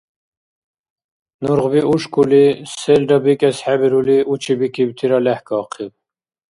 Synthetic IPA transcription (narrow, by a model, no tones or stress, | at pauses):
nuɾʁbiʔuʃkʰʼulisɛlɖɑbikʼɛsħæbiɾuliʔut͡ʃʰibikibt̪ʰiɾɑlɛhkɑːqʰib